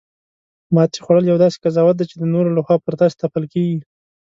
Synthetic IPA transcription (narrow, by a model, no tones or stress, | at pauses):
mɑt͡ʃe̥xwaɽəljawd̪ɑse̥kazɑwat̪̚d̪et͡ʃed̪ənoɾolaxwɑpəɾd̪ɑse̥t̪apəlkeɡi